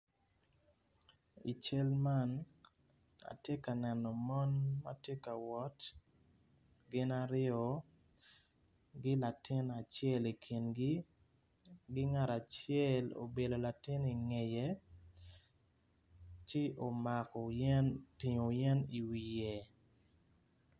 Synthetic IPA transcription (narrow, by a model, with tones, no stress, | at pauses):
ḭ˨t͡ʃe˦lma˦˨n | a̰˨tje˦ka˨nɛ˨nɔ˨mɔ˦nma̰˦tje˦ka˨wɔ˦t | ɡɪ˦na˦ɾɪɔ˨ | ɡɪ˦la˨tɪ˦na˨t͡ʃjɛ˦˨li˨kʰi˨nɡi˦ | ɡɪ˦ŋa˨ɾa˨t͡ʃɛ˦˨lo̰˨be˨do˨la˨tɪ˦ni˨ŋe˨je˨ | t͡ʃɪ˦ʔo˨ma˨kɔ˨nti˨ɲo˨jɛ˦ni˨wi˨je˨